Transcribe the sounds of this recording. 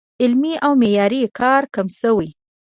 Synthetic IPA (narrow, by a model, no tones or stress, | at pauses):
ɪlmiʔawmejɑɾikɑɾkamsəwi